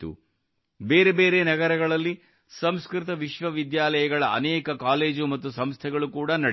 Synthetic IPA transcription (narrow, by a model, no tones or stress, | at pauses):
ṵ | beːɾebe̞ːɾe̞ːnɐɡɐɾɐɡɐɭɐlːi | sɐmskɾit̪̬ɐʋiʃʋɐʋid̪jaːlɐjɐɡɐɭɐɐ̰nɛːkɐkaːle̞ːd͡ʒumɐt̪ːusɐmst̪ʰɛɡɐɭukuːɽanɐɽ